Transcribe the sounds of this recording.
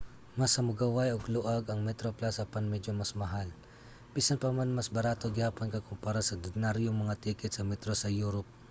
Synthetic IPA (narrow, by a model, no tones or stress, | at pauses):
mɐsɐmʊɡawajoɡlʊʔaɡɐŋmɛt̪ɾoplasɐpɐnmɛd͡ʒomɐsmɐɦal | miːsɐnpɐmanmasbɐɾaːt̪o̞ɡɪhaːponkɐkʊmpaːɾasɐd̪ʊnaɾjoŋmɐŋat̪iːkɛt̪̚sɐmɛt̪ɾosɐjuːɾop̚